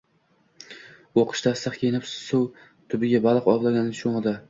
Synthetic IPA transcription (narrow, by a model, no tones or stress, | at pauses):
oqʰɨ̥ʃt̪ʰast̪ɨχkʲʰenɪpsʊw | t̪ʰʊbɪɡʲabalˠɨqɒblˠaɡʲanlɪʃoŋɨd̪a